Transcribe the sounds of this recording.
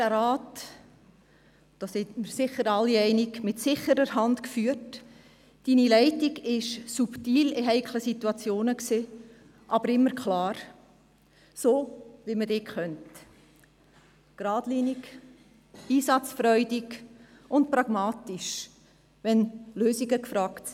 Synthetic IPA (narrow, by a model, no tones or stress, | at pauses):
æɾɑːt | d̥ɑːsɛtmɪɾsɪχəɾɑlːiɛɪnikmɪtsɪχəɾəɾɦɑndkfyːt | d̥iːnilɛɪtiɡɪʃsuptiːlɪɦɛɪkʰləsituɑt͡sjoːnəkseː | ʔɑbəɾɪmːəɾkχlɑːɾ | soːʋimədeːkχœnt | ɡ̥ɾɑːdliːnik | iːsɑt͡sfɾœʏdiɡ | ʊnt̚pɾɑɡ̥mɑːtiʃ | ʋɛnløːsiɡəkfɾɑːkt